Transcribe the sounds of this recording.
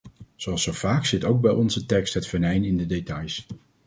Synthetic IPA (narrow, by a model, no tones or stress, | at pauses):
z̥oɑlˠsowvaːksɪtowɡ̚bɛjɔnzətɛkstɦətfəɹnɛjnɪndədetɑjs